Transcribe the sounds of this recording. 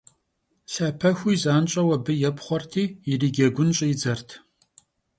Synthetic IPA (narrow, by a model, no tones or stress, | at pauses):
ɬɐpʰɐxʷiːzaːnt͡ʃʼɐwɐbɨjɛpχʷɔrtʰiːjɪriːɡʲɐɡʷʊnɕʼɪjɪd͡zɐrtʰ